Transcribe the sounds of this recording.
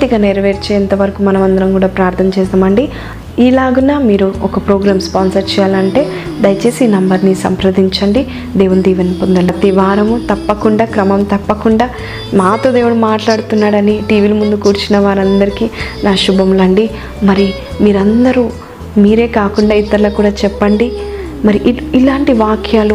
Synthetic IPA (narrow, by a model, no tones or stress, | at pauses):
t̪iɡaːneːɾɐʋeːɾt͡ʃeɛnt̪ɐʋɐɾɐkumɐnɐmɐnd̪ɐɾɐmkuːɽaːpɾaːɾt̪ʰɐmt͡ʃɛːs̬d̪ɐmɐɳɖi | iːlaːɡunaːmiːɾuɔkɐpɾoːɡɾaːmspaːnsɐɾt͡ʃɛːjaːlɐɳʈe̞ː | d̪ɐjɐt͡ʃe̞ːsiːnɐmbɐɾnisɐ̰mpɾɐd̪iɲt͡ʃɐɳɖi | d̪eːʋund̪iːʋɐnpond̪ɐlɐt̪iʋaːɾɐmut̪ɐpːɐkuɳɖaːkɾɐmɐmt̪ɐpːɐkuɳɖaː | maːt̪o̞ːd̪eːwuɽumaːʈlaːɽut̪unːaːɽɐniʈiːʋiːlɐmund̪ukuːɾt͡ʃinɐʋaːɾɐnd̪ɐɾikiːnaːʃubʱɐmlɐɳɖi | mɐɾi | miːɾɐnd̪ɐɾu | miːɾe̞ːkaːkuɳɖaːit̪ːɐɾlɐkuːɽaːt͡ʃɛpːɐɳɖi | mɐɾiʔilaːɳʈiʋaːkʰjaːlu